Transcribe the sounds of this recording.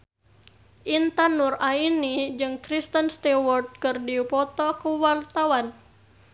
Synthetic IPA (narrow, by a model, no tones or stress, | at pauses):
ʔint̪anurainid͡ʒɨŋkɾist̪ənst̪ɛwɔrd̪̚kɨrdipɔt̪ɔkuwart̪awan